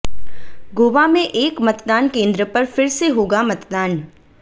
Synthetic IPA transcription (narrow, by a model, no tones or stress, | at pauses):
ɡoːʋamẽʔeːkmɐt̪d̪aːnkẽːnd̪ɾəpɐɾfɪɾseɦoːɡamɐt̪d̪aːn